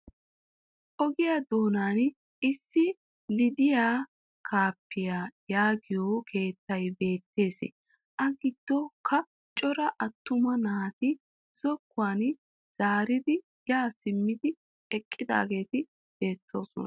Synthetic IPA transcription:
ʔɔɡɪjad̪o̞ːnaːn | ɪsːɪ | lɪd̪ɪjaː | kʰaːpːɪjaːjaːɡɪjoːkʰe̞ːt̪ːɐjbe̞ːt̪ːe̞ːsɛ̰ | ʔɐɡɪd̪̥ːokʰɐ | t͡ʃʼɔɾɐʔɐt̪ːʊmɐnaːt̪ɪ | z̥ɔkːʊaːn | z̥aːɾɪd̪ɪ | jaːsɪmːɪd̪ɪ | ɛkʼːɪd̪a̰ːɡe̞ːt̪ɪ | b̥e̞ːt̪ːo̞ːsɔnɐ

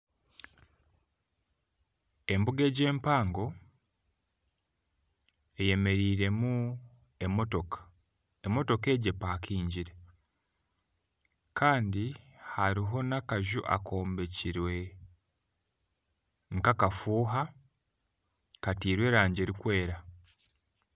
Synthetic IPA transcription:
e̞mbuɡe̞ːɟe̞ːmpaːŋɡo̞ | e̞je̞me̞ɾiːɾe̞mu | emotokḁ | emo̞to̞ke̞ːɟe̞pakʰiːɲɟiɾe̞ | kʰaːndihaɾiɦo̞nakaʒuʔa̰ko̞ːmbe̞ciɾwe̞ | ŋkakafuːɦa | katiːɾwe̞ːɾaːɲɟe̞ːɾikwe̞ːɾa

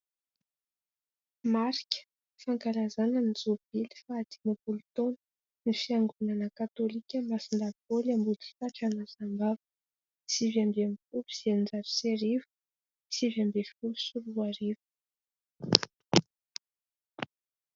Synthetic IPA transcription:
maɾikʲə̥ | faŋkalazananizob̥ilifad̪inapulut̪onə̥ | nifiaŋɡunanəkat̪olikʲəmasind̪avivolambuli̥taʈ͡ʂanazambavə̥ | sivambeamifuluz̥ianid͡zaɾi̥seɾivə̥ | sivambefulusuɾuaɾivu̥

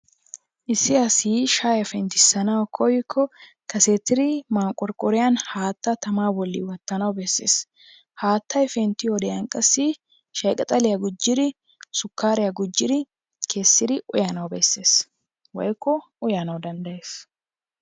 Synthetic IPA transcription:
ʔɪsːɪɐsiːʃaːjɐfɛnt̪ːɪsːɐnɐwkʰɔjɪkʰːɔ | kɐseːt̪ːɪɾɪmaːŋkʼːɔɾkʼɔɾɪjɐnhaːt̪ːɐt̪ɐmaːbɔlːɪ̰wɐt̪ːɐnɐwbɛsːḛːs | haːt̪ːɐjfɛnt̪ːɪɔd̪ɛjɐŋkʼɐsːi | ʃɐjkʼɐt̪ʼɐlɪjɐɡʊd͡ʒːɪd̪ɪ | sʊkːaːɾɪjɐɡʊd͡ʒːɪd̪ɪ | kʰe̞ːsːɪd̪ɪʔʊjɐnɐwbɛsːe̞ːs | wɔ̰jkːɔʔʊjanɐwd̪ɐnd̪ɐjeːs

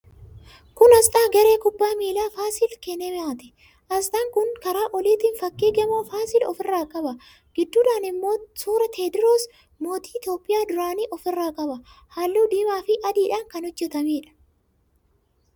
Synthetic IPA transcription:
kʊnɐsᶑaːɡɐɾeːkʊbːaːmiːlaːfaːsɪlkɛnɛmɪaːt̪ɪ̥ | ʔɐst̪ɐŋkʊnkɐɾaːʔɔliːt̪ɪnfɐkːiːɡɐmoːfaːsɪlɔ̰fɪrːaːkʼɐbɐ | ɡ̥ɪd̪ːuːᶑaːnɪmːo̞ːsuːɾɐt̪ʰeːd̪ɪɾoːs | mo̞ːt̪i̥ːɪt̪joːpʼːɪjaːd̪ʊɾaːniːʔɔfɪrːaːkʼɐbɐhaːlːuːd̪iːmaːfɪʔɐd̪iːᶑaːŋkɐnɔd͡ʒːɛt̪ɐmeːᶑɐ̥

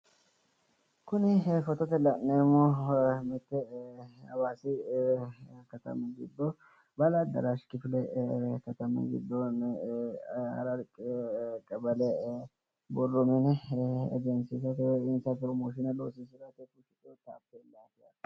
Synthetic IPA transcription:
kʊnɪfɔt̪ɔt̪ɛlɐnːɛmɔmɪt̪ːɛɐwaːsɪ | kɐt̪ɐ̰mɐɡɪ̰d̪ːɔ | bɐlad̪ɐ̰ɾaʃkɪfɪlɛkɐt̪ɐmɪ̰ɡɪ̰d̪ːɔnɛ | ɐ̰ɾɐɾkʼɪkʼɐbɐlɛ | bɔrːɔmɛnɛɛ̰d͡ʒɛnsisɐt̪ɛɪnsɐpɾɔmoːʃɪnɐloːsɪsɪɾɐt̪ɛkʊʃɪt̪ʼɔt̪a̰ːpːɛlaːfɪja

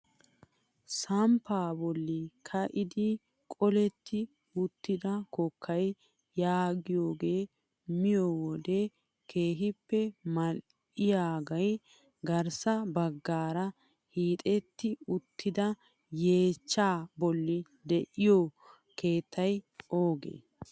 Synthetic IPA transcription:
sɐmpaːbɔlːɪkʰɐʔɪd̪ɪ | kʼɔlɛt̪ːɪ | ʊt̪ːɪd̪ɐkɔkʰːɐj | jaːɡɪjoːɡe̞ː | mɪjowɔd̪e | kʰe̞ːɦɪpːɛmɐl | ʔɪjaːɡɐj | ɡɐɾsɐbɐɡːaːɾɐ | hiːt̪ʼɛt̪ːɪʊt̪ʰːɪd̪ɐ | je̞ːt͡ʃːaːbɔlːɪ | d̪ɛʔɪjo | ke̞ːt̪ːɐjʔoːɡḛː

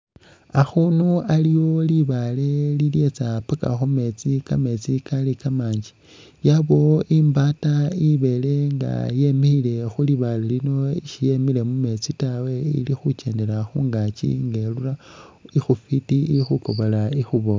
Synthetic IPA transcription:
axunualiwo̞liβale̞lile̞t͡sapaka̰xume̞t͡sikame̞t͡sikalikamaːɲd͡ʒi̥ | jaβo̞ʔimbataiβe̞le̞ŋɡa̰je̞meile̞xuliβalelino̞iʃije̞mile̞mume̞t͡sitawe̞ḭlixut͡ʃe̞ːnde̞ɾaxuŋɡat͡ʃḭŋɡe̞lura | ixufitiilixuko̞βolaixuβo

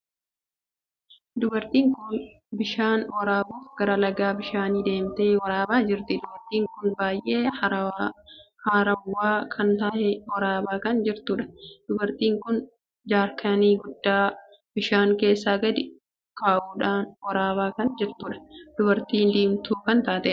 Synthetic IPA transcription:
d̪ʊbɐɾt̪iːŋkʊn | bɪʃaːnwɐɾaːboːfɡ̥ɐɾɐlɐɡaːbɪʃaːniːd̪e̞ːmt̪eːwɐɾaːbaːd͡ʒɪɾt̪ɪd̪ʊbɐɾt̪iːŋkʊnbaːjʔe̞ː | haːɾɐwːaːkʰɐnt̪aːʔɛwɐɾaːbaːkɐnd͡ʒɪɾt̪uːᶑɐ̥d̪̥ʊbɐɾt̪iːŋkʊn | d͡ʒaːɾkʰɐniːɡʊd̪ːaː | b̥ɪʃaːŋke̞ːsːaːɡɐd̪ɪ | kaːʔuːᶑaːnwɐɾaːbaːkɐnd͡ʒɪɾt̪uːᶑɐ̥d̪̥ʊbɐɾt̪iːnd̪iːmt̪uːkɐnt̪aːt̪ɛ

